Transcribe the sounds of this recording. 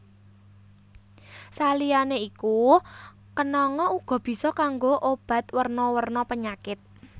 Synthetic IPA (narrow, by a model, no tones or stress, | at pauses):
salijaneiku | kənɔŋɔuɡ̥ɔ̤b̥i̤sɔkaŋɡoʔob̥a̤t̪̚wərnɔwərnɔpəɲakɪt̪̚